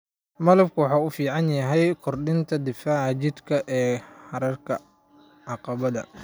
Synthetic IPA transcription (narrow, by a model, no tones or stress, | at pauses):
mɐlɐbkʰʊwɑħaːʊfiːʕɑnjɐɦɛjkʰɔrɖɪnt̪ʰɐd̪ɪfaːʕt͡ʃɪd̪kʰɐʔɛːħɑɾɐrkʰɐ | ʕɑqɑβɐðɐ̰